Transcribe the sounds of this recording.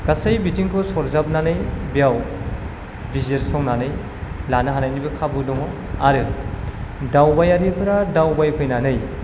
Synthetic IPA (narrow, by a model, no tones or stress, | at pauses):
kasajbitiŋkʰɔsɔɾzap̚nanɯjbijaw | bizeɾsɔŋnanɯj | lanɯɦanajnibɯkʰabɯdɔŋɔaɾɯ | dawbajaɾipʰɯɾadawbajpʰɯjnanɯj